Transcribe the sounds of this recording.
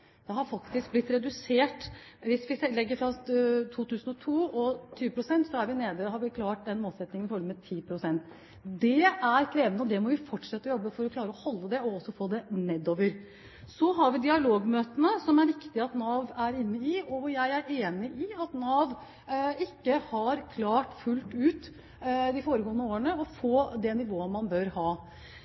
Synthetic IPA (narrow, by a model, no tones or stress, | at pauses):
d̪̥ɛhɑɾfɑkt̪ɪsk̚blɪt̪ːɾɛd̪ʉseːʈʋɪsʋɪɛlɛɡːəɾfɾɑt̪ʰuːt̪ʰʉːsənɔt̪ʰuːɔt̪ʰyːəpʰɾʊsɛnt̪sɔæɾʋɪneːd̪əhɑɾʋɪkʰlɑːʈ̚d̪ɛnmoːlsɛt̪nɪŋənɪfɔɾəmɛt̪ʰiːpʰɾʊsɛnt̪ | d̪ɛæɾkʰɾeːʋənəɔd̪ɛmɔʋɪfɔʈːʂɛt̪ːəjɔbːəfɔɾɔkʰlɑːɾəɔhɔlːəd̪ɛɔɔsːɔfoːd̪ɛnɛd̪oːʋəɾ | sɔɦɑɾʋɪd̪ɪɑloːɡmøːt̪ənəsɔmæɾɪkt̪ɪɑt̪nɑːʋæɾɪnːəɪɔjæɪæɾeːnɪʔɪɑt̪nɑːʋ | ɪkːəhɑɾkʰlɑːʈfʉlt̪ʉːt̪ | d̪ɪfoːɾəɡoːənəoːəɳəɔfoːd̪ɛnɪʋoːəmɑnbøɾhɑː